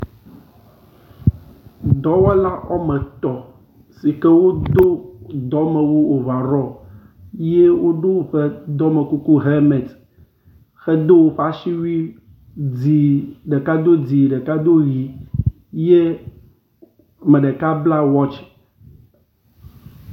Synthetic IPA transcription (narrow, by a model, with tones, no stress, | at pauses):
d̪ɔ˨˦wɛ˦la˦ʔɔ̰˦mɛ̃˨t̪ɔ˨ | si˨kɛ˦wo˦d̪o˦d̪ɔ˨˦mɛ˨wu˦o˨va˨ɾɔ˦ | je˦wo˦ɖo˦wɸɛ˦d̪ɔ˦mɛ˨ku˦ku˦ɦe˦mɛ˨t | xɛ˦d̪o˦wo˦ɸa˨˦ʃi˦wi˦ | d͡zi˨ɖe˨ka˦d̪o˦d͡zi˨ɖɛ˨ka˦d̪o˦ɣi˨ | je˦ | mɛ̃˨ɖɛ˨ka˦bla˦wɔ˦t͡ʃ